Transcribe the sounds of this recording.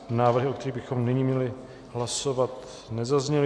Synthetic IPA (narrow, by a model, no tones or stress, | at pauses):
naːvr̩ɦɪʔokt̪ɛɾiːbɪxo̞mnɪɲiːmɲɛlɪ | ɦlasovat̪ | nɛzazɲɛlɪ